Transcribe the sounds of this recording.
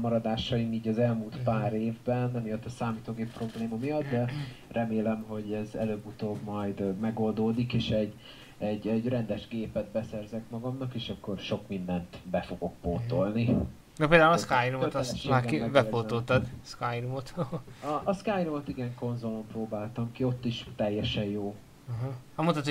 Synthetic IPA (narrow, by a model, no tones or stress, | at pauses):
mɒɾɒd̪aːʃɒimiːɟɒzɛlmuːlt̪paːɾeːvbɛnɛmijɒt̪ːɒsaːmit̪oːɡeːpːro̞bleːmɒmijɒt̪d̪ɛrʔɛmeːlɛmɦo̞ɟɛzɛ̰løːbut̪oːbmɒjd̪mɛɡo̞ld̪oːd̪ikeːʃɛɟː | ɛɟɛɟrɛnd̪ɛʒɡeːpɛd̪̚bɛsɛrzɛkmɒɡɒmnɒkeːʃɒkːo̞rʃo̞kmind̪ɛnt̪bɛfo̞ɡo̞k̚poːt̪o̞lni | nɒpeːld̪aːulɒskajnumoøt̪ɛsʃmaːkkibɛpoːolt̪ɒd̪skajnumot̪oɦɒʔskajnumot̪iɡɛŋko̞nzo̞lo̞mproːbaːlt̪ɒmkio̞t̪ːiʃt̪ɛjːɛʃɛnjoː | ɦhɒmont̪ɒt̪ː